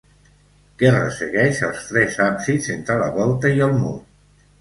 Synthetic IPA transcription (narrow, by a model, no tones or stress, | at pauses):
kɛrə̰səɣɛʃəlˠst̪ɾɛzapzizent̪ɾələβɔlˠt̪əiəlˠmu